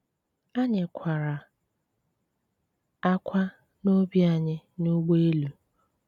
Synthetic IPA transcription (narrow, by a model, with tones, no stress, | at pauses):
a˦ɲɪ˨kʷʰa˨ɾa˨ | a˦kʷʰa˦ | no˦bi˦a˨ɲɪ˦nu˦ɡ͡be˦lu˨